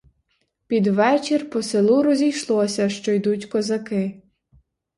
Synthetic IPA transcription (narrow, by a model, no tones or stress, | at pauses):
pʲid̪ʋɛt͡ʃirpɔselˠuɾɔzʲijʃlˠɔsʲɐʃt͡ʃɔjd̪utʲkɔzɐkɪ